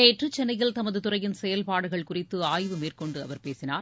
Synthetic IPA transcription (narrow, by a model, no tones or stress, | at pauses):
eːʈrɯt͡ʃːɛnːɐjɪlt̪ɐmɐðɯt̪ʊrɐjɪnsɛjɐlpaːɽɯɣɐɭkʊrɪt̪ːɯaːjʋɯmeːrkɔɳɖɯɐʋɐɾpeːsɪna̰ːɾ